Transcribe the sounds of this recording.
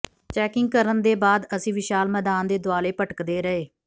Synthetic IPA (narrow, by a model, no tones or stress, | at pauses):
t͡ʃɛːkɪŋɡ̚kəɾənd̪eːbaːd̪əsĩːʋɪʃaːlmɛːd̪aːnd̪eːd̪ʊaːleːpəʈəkd̪eːɾəeː